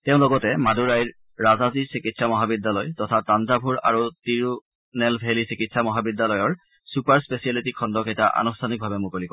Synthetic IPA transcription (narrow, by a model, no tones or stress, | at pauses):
tɛʊ̃lɔɡɔtɛmaduɹajɹː | azazisikitsamɔɦabidːalɔjtɔtʰatːanzabʱuɹa̰ɹutiɹu | nɛlbʱelisikitsamɔɦabidalɔjɔɹ | supaɹspesialitikʰɔndɔkejtaʔa̰nustʰanik̚bʱabɛmukolikɔ